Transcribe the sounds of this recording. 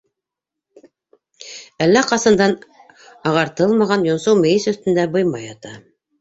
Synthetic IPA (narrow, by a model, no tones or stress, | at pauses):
ælːæqɑsɤ̆nd̪ɑn | ɑʁɑɾt̪ɤlˠmɑʁɑnjŏnsɤwmɘ̆jɘsɵ̆θt̪ɘ̆nd̪æbɤ̆jmɑjɑt̪ɑ